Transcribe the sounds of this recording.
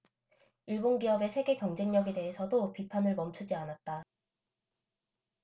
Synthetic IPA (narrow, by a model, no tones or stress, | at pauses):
iɭbonɡiʌbe̞sʰe̞ɡe̞kjʌŋd͡ʑe̞ŋɲʌɡe̞de̞ɦe̞sʰʌdopipʰanɯɭmʌmt͡ɕʰud͡ʑianat̚t͈a